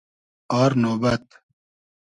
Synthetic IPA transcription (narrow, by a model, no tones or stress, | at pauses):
aːɾnoːbɐt̪